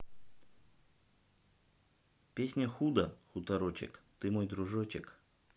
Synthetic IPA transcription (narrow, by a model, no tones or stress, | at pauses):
pʲesʲnʲəxud̪əxut̪ɐɾot͡ɕɪ̰kt̪ɨmojd̪ɾʊʐot͡ɕɪk